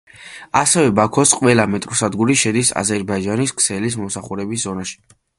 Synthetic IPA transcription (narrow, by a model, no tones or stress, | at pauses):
asɛvɛbakʰɔsqʼwɛlamɛt̪ʼɾsad̪ɡuɾiʃɛd̪isa̰zɛɾbaid͡ʒaniskʰsɛlis̬mɔmsaχuɾɛbis̬zɔnaʃi̥